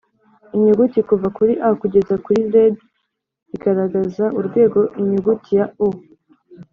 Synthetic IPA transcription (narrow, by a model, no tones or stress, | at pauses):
iɲuɡutikuvakuɾiʔakuɟe̞zakuɾiɾed | iɡaɾaɡazaʔuɾɡwe̞ːɡo̞ʔiɲuɡutʰijau